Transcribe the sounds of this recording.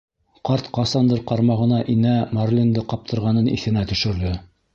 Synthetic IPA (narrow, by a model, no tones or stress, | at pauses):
qɑɾt̪qɑsɑnd̪ɤɾqɑɾmɑʁɤ̆nɑʔinæmarlʲind̪ɤqɑp̚t̪ʰɤ̆ɾʁɑnɤnḭθɘ̆næt̪ɵ̆ʃɘ̆ɾd̪ɘ